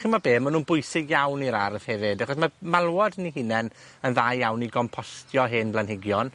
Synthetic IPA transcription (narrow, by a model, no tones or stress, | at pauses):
χinmabeːmənuːnbʊjsɪɡjawniɾarð̥hɛvɪdaχɔs̬mamalˠwɔdnihɨnɛn | ənðaːjːawniɡɔmpʰɔstʰjɔɦɪnblanɦɪɡjɔn